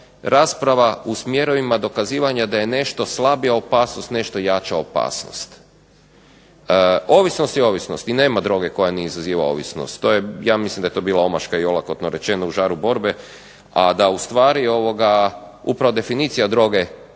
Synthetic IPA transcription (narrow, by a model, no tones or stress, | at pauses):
ɾaːspɾaʋausmje̞ɾo̞ʋimad̪o̞kaziːʋaɲad̪aje̞ne̞ʃt̪o̞slˠabijaopaːsnost̪ne̞ʃt̪o̞jat͡ʃaopa̰ːsno̰st̪ | o̞ʋisno̞st̪jeo̞ʋisno̞st̪ine̞ːmad̪ɾo̞ɡe̞ko̞janiizaziːʋao̰ʋḭsno̰st̪ːoːjejaːmislimd̪aet̪o̞biːlˠao̞maʃkaio̞lakot̪noɾet͡ʃe̞nouʒaːɾubo̞ɾbe | ad̪aust̪ʋaːɾio̞ʋo̞ɡaupɾaʋo̞d̪e̞finit̪sijad̪ɾo̞ɡe̞